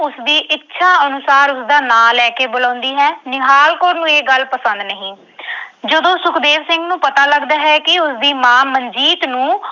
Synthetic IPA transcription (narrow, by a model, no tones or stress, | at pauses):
ʊsd̪iːʔɪtːʃʰaːənʊsaːɾʊsd̪aːnaːlːɛːkeːbolãːnd̪iːɦɛːnɪɦaːlkoːɾnũːeːɡəlpəsə̃nd̪nəɦĩː | d͡ʒəd̪õːsʊkd̪eːʋsɪŋɡnũːpət̪aːləɡd̪aːɦɛːkɪʊsd̪iːmãːmənd͡ʒiːt̪nũː